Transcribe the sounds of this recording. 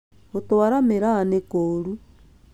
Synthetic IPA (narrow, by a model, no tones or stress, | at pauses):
otowaɾameɾaːnekoːɾu